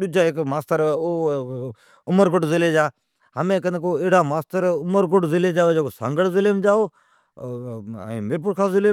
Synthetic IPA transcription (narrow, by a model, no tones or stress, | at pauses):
ɗʊd͡ʒaːɪkmaːst̪əɾoː | ʊməɾɡʊʈzɪleːd͡ʒaː | ɦəmẽːkənkoːeːɽaːmaːst̪əɾʊməɾɡʊʈzɪleːd͡ʒaːoːd͡ʒeːkosã̰ːŋɡəɽzɪlemd͡ʒaːoː | ĩːmɪɾp̬ʊɾkʰãːzɪleː